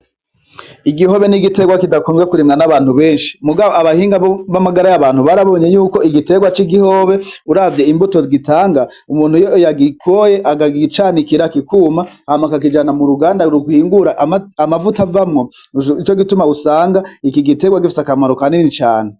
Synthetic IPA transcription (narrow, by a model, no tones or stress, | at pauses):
iɡihoβe̞niɡite̞ɡwakidakuːmɡekuɾimŋanaβaːn̥huβe̞ːnʃi̥muɡaβoaβahiːŋɡaβamaɡaɾajaβaːnhuβaɾaβo̞ːɲejuːko̞iɡite̞ːɡwat͡ʃiɡiho̞ːβe̞uɾavje̞imbuto̞ziɡitaːŋɡa | umuːn̥hujojaɡikʰoje̞ʔaɡaɡit͡ʃaːnikiɾakikuːmamakak̬id͡ʒanamuɾuɡaːndaɾuɡuhiːŋɡuɾaʔamavutavamŋo | it͡ʃoɡitumausaːŋɡaikiɡite̞ɡwaɡifisakamaɾokaninnit͡ʃa̰ːne